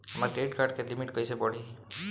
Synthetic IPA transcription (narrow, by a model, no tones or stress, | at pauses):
ɐmaɾʈɾeːɖkaːɾɖ̚kelɪmɪʈkoːisebɔːɽi